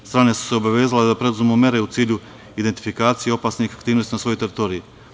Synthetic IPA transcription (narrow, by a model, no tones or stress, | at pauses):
st̪ɾaːnesu̥seobaʋe̞ːzaled̪apɾe̞d̪uzmmume̞ɾe̞ut̪siːʎu | id̪e̞nt̪i̥fikaːt̪sijeo̞paːsniixakt̪iːnost̪inasʋo̞jot̪e̞ɾit̪o̞ːɾii